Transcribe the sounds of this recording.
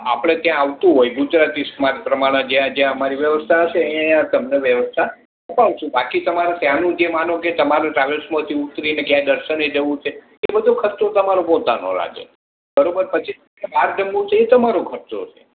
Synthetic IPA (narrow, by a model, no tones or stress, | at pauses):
a̰pɽ̃et̪jãaʋt̪ũɦojɡud͡ʒɾat̪ismaɾpɾəmaɽ̃ẽd͡ʒjãd͡ʒjãəmaɾiʋjəʋəst̪ʰaəʃeəãjãt̪əmneʋjəʋəst̪ʰa | əpaʋʃũbakit̪əmaɾẽsjãnũd͡ʒemanõket̪əmaɾõʈɾaʋelsmət̪ʰiut̪ːɾinekjãd̪əɾʃəned͡ʒəʋũt͡ʃʰe | ebəd̪ʱokʰət̪ot̪əmaɾopot̪ano̰ɾa̰d͡ʒḛ | bəɾobəɾpət͡ʃʰis | kebʱaɾd͡ʒəmːũt͡ʃʰeːt̪əmaɾoɡʱəɾt͡ʃo̰t͡ʃʰe̥